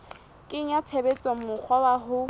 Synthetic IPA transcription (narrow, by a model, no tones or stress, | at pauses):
kʼɪŋ̩at͡sʰebet͡sʼɔŋ̩mʊk͡xʰwabaɦʊ